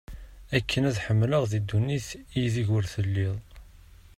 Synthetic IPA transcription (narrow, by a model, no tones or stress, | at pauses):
ækʰːənæðħəmːləʁðid̪ːuniθijðiʝwəɾθəlːiðˤ